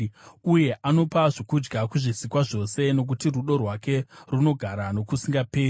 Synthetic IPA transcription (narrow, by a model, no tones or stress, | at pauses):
uje̞ʔano̞paʐokud͡ʒɡakuʐisikwaʐo̞se̞no̞k̬utiruɗo̞rwake̞runo̞ɡʱaɾano̞kusiŋɡapeː